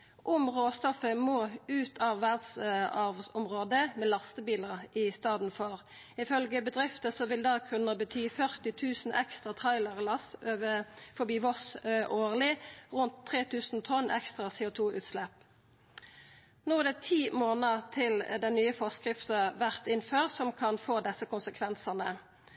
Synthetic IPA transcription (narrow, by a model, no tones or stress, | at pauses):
ʔʊmʁoːst̪ɔfəmoːʉːt̪ʰɑːʋʋæd̪sɑʋʊmʁoːd̪əmeːlɑst̪əbiːləʁɪst̪ɑːd̪n̩fɔʁ | ɪfœlɡəbəd̪ʁɪft̪əsɔʋɪld̪ɑːkʰʉnːəbət̪ʰyːfœʁt̪ɪt̪ʰʉːsn̩ʔɛ̰kst̪ʁɑt̪ʰɑɪlɑʁlɑsøːʋəfɔbiːʋɔsøːʔoːʁlɪʁʉnt̪ʰːʁeːt̪ʰʉːsn̩t̪ʰɔnɛ̰kst̪ʁɑsɛːʊt̪ʰuːʔʉ̰ːt̪slɛp | nuːd̪ɛt̪ʰiːmoːnəʁt̪ʰɪld̪ɛnnyːəfɔskʁɪft̪əʋæʁt̪ɪnføːʁsɔmkʰɑnfoːd̪ɛsəkʊnsəkʰʋɛnsəʁnə